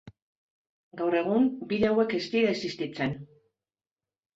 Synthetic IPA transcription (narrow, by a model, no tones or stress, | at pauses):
ɡawre̞ɣ̞umbiðeawe̞ke̞st̪iɾaesist̪it͡se̞n